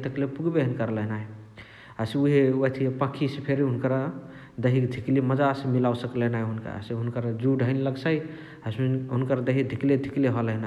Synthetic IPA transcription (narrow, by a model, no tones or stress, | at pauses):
t̪əklepuɡbeɦənkəɾləɦnaɦj | aseuɦeət̪ʰiepə̃kʰisepʰeɾiɦunkəɾ | d̪əɦikd̪ʱikliməd͡ʒasemilawsəkləɦnaɦɦunka̰seɦunkəɾd͡ʒuɖʱəɪnləɡsaj | asɦunkəɾd̪əɦik̚d̪ʱikled̪ʱikliɦələɦna